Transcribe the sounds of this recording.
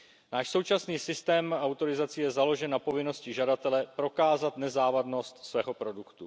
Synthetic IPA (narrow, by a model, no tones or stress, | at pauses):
naːʃsowt͡ʃasniːsɪst̪ɛːmawt̪o̞ɾɪzat͡sɪjɛzalo̞ʒɛnːapo̞vɪno̞scɪʒadat̪ɛlɛpɾo̞kaːzat̪nɛzaːvadno̞st̪svɛːɦo̞pɾo̞dukt̪u